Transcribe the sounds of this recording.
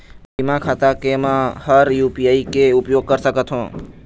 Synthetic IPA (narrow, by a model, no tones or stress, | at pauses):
bimãkʰat̪ãkemãhəɾjupiaikeupjoɡ̚kəɾʃəkət̪ʰɦõ